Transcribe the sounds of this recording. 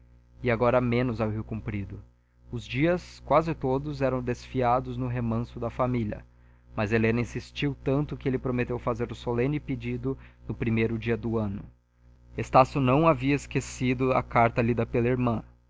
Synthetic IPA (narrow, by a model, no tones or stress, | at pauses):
ɪaɡɔɾɐmẽnʊzawviwkũpɾid̪ʊ | ʊzd͡ʒiɐskwazɪt̪od̪ʊzɛɾɐ̃w̃d̪esfiad̪ʊznʊɦemɐ̃sʊd̪ɐfamilʲɐ̰ | mɐzelẽnɐĩsist͡ʃiwt̪ɐ̃nt̪ʊkɪelɪpɾomet̪ewfazeɾʊsolẽnɪped͡ʒid̪ʊnʊpɾimejɾʊd͡ʒiɐd̪ʊɐ̃nʊ | est̪asjʊnɐ̃w̃aviɐeskesid̪ʊɐkaɾt̪ɐlid̪ɐpelɐiɾmɐ̃